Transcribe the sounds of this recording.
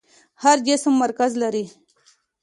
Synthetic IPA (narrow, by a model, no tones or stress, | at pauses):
haɾd͡ʒɪsmːaɾkazlaɾi